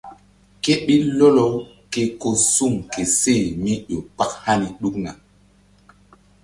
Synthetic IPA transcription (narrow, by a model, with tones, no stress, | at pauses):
ke˦ɓi˦lo˦lo˦w | ke˨ko˨su˦˨ŋke˨se˦˨mi˦ʄo˨pa˦k̚ha˦ni˨ɗu˦kna̰˨